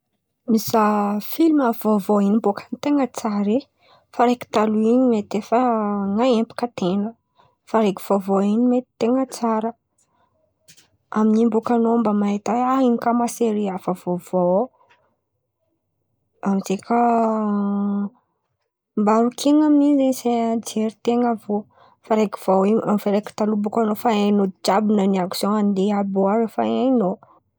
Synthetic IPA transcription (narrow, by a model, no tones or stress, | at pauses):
mizafiliməvovoinimbokʰanit̪eŋət͡saɾi | faɾeki̥t̪aluinimet̪efəŋaempu̥kət̪enə | faɾeki̥v̥ovoinimet̪i̥t̪eŋət͡saɾə | aminimbukanombamaet̪aainikamaseɾiafəvovo | amizekʰa | mbaɾukʰeŋaminizesed͡ʒeɾit̪eŋəvo | faɾeki̥v̥awiamfaɾeki̥t̪alubukanofaenoid͡ʒabinəniaku̥soand̪eaboaɾəfaeno